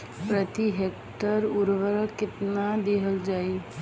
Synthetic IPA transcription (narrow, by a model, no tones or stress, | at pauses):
pɾət̪iɦek | ʈəɾuɾʋəɾkɪt̪nad̪eɦəld͡ʒaːi